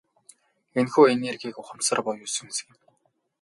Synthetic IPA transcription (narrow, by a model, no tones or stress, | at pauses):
enxuːenerɡiːkʊχə̆msə̆rpɔjʊːsɵ̆ŋsɘ̆ɣɘ̆n